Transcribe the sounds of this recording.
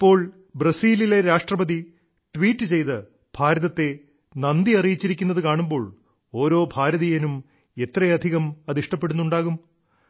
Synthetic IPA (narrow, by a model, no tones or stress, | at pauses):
ipːo̞ːɭ | brɐsiːlile̞ɾaːʂʈrɐbɐði | ʈʋiːʈːɨt͡ɕe̞jt̪ɨ | b̥ʱaːɾɐðɐt̪ːe̞ | nɐnd̪iɐrijit͡ɕːiɾikʲːunːɐðɨkaːɳumbo̞ːɭ | o̞ːɾo̞ːbʱaːɾɐðijɐnum | e̞t̪ːrɐjɐd̪ʱiɣɐmɐðiʂʈɐpːe̞ɽunːuɳɖaːɣum